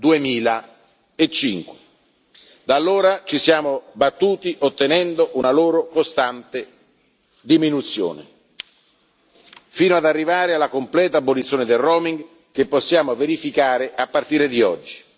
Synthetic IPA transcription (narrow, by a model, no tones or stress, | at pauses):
d̪uemiːla | et͡ʃːiŋkwe | d̪alːoːɾat͡ʃisjaːmobat̪ːuːt̪iʔot̪ːenɛnd̪oʔunaloːɾokost̪ant̪e | d̪iminut̪sjo̰ːnḛ | fiːnoad̪arːivaːɾealːakomplɛːt̪aːbolit̪sjoːned̪elroːmiŋɡ | kepːosːjaːmoveɾifikaːɾeʔapːart̪iːɾed̪iɔd͡ʒːi̥